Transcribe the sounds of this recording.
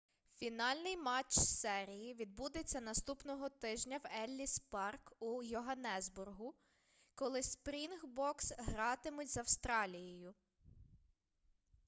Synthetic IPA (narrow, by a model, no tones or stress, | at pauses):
fʲinɑlʲnɪjmɑt͡ʃsɛɾʲijiʋʲid̪̚bud̪et͡sʲːɐnɐst̪upnɔɦɔt̪ɪʒnʲɐwɛlʲːispɑrkujʊɦɐnɛzbʊrɦʊ | kɔlˠɪspɾʲinxbɔksɦɾɑt̪ɪmʊtʲzɐwst̪ɾɑlʲijɔjʊ